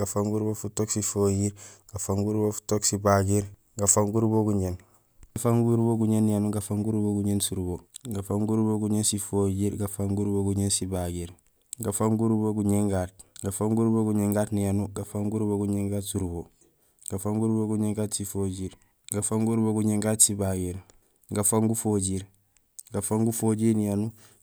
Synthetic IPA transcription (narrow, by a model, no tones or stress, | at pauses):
ɡafaŋɡuɾbofutoksifojiːɾɡ̥afaŋɡuɾbofu̥toksibaɡiɾ | ɡafaŋɡuɾboɡuɲen | ɡafaŋɡuɾboɡuɲenːijanuɡafaŋɡuɾboɡuɲensuɾboːɡafaŋɡuɾboɡuɲensifojiːɾɡafaŋɡuɾboɡuɲensibaɡiːɾ | ɡafaŋɡuɾboɡuɲeŋɡaːt̚ɡafaŋɡuɾboɡuɲeŋɡaːtnijanuɡafaŋɡuɾboɡuɲeŋɡatsuɾboː | ɡ̥afaŋɡuɾboɡuɲeŋɡatsifoɟiːɾ | ɡafaŋɡuɾboɡuɲeŋɡatsibaɡiːɾ | ɡafaŋɡufoɟiːɾ | ɡafaŋɡufoɟiːɾnijanu